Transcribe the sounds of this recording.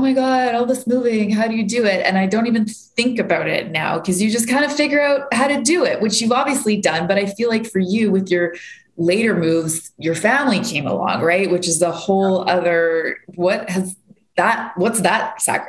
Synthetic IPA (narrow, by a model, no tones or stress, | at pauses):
oʊ̃maɪɡɑɾɔlˠðɪsmuvɪ̃ŋɦaʊɾɨjɨdɨɪtɨ̰̃naɪdõʊ̃ntivɨ̃nθɪ̃ŋkɨbaʊɾɪ̰tⁿnaʊkʰʌzjɨd͡ʒʌskʰãɪ̃ndʌ̥fɪɡjə˞aʊt̚haʊɾɨdɨɪʔ̚wʔɨt͡ʃjʉvɑbviɨslidʌ̃nbʌɾaɪfilaɪkfə˞jʉwɨðjə˞ | leɪɾə˞mʉvz̥jə˞fæ̃mlikʰẽɪ̃mə̰lɔ̰̃ŋɹaɪt̚wɨt͡ʃɨzðəhoʊlˠʌðə˞wʌt̚hɨz | ðət̚wʌtsðət̚sæ̰k